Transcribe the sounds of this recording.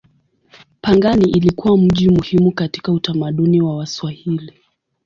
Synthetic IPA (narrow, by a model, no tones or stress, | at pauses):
paŋɡaniʔilikuwam̩ʄimuhimukati̥kautamaɗuniwawaswahili